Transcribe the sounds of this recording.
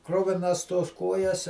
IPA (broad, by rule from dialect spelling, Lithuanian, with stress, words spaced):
ˈkrʊʋʲɪnɐs toːs ˈkoːjɛs